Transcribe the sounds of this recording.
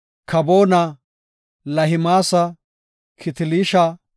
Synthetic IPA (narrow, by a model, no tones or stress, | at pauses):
kʰɐboːnɐ | lɐhɪmaːsɐ | kʰɪt̪ɪliːʃa